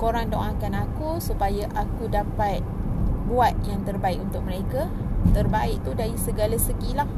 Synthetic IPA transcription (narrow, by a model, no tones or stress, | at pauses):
koɾaŋdoʔakanakusupajaʔakudapat̪̚buat̪̚jaŋt̪ərbaik̚unt̪ʊk̚məɾeka | t̪ərbaɪʔ̚t̪udaɾisəɡalasəɡilah